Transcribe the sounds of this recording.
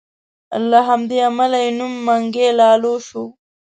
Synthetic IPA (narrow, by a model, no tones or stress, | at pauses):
a̰lːaɦamd̪eamalainumːaŋɡelɑːloʃo